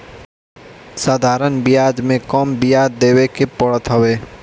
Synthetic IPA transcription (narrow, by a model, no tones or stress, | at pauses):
saːd̪ʱaːɾənbɪjaːd͡ʒmẽkɔːmbijaːdd̪eːwekepəɽət̪ɦəweː